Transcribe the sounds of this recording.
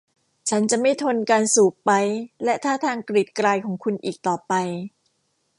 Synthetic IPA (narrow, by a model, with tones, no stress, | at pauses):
t͡ɕʰa˦˥nt͡ɕa˨˩ʔma˥˩jt̪ʰo˧nkaː˧nsuː˨˩p̚ːa˦˧jlɛ˦˥ʔt̪ʰaː˥˩t̪ʰaː˧ŋkɾi˨˩t̪̚kɾaː˧jkʰɔː˩˦ŋkʰu˧nʔiː˨˩k̚t̪ɔː˨˩pa˧j